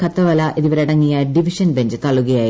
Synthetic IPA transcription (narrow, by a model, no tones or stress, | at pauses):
kʰɐt̪ːɐʋɐlɐʔʔiðiʋɐɾeiɽɐŋːijɐɖiʋiʂɐnbe̞ɲd͡ʑɨt̪ɐɭuɣɐjaːji